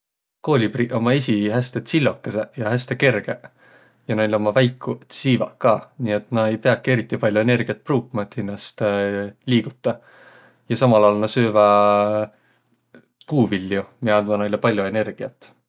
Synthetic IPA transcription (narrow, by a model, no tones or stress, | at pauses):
ko̞ːlʲipriʔo̞mɑesʲiɦæst̪et̪silʲːokːesejɑhæst̪eke̞rɡ̥e | jɑnejleo̞mɑvæjkːˑut̪siːvɑ̰kːɑːniːe̞t̪nɑe̞jpe̞ɑkːˑie̞ɾit̪ːˑipɑlʲjuene̞rɡ̥iɑt̪̚pruːkːmɑet̪hinːɑst̪liːɡ̥ut̪ˑːɑ | jɑsɑmɑlɑːlnɑsøːvɑ | puːvilːjumiɑnmɑnɑjlepɑlʲjue̞ne̞rɡ̥iɑt̪ːˑ